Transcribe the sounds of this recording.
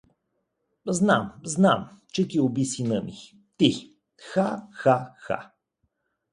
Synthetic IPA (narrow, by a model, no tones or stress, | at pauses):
znamznamt͡ʃɛkiobisinəmi | t̪i | xaxaxa̰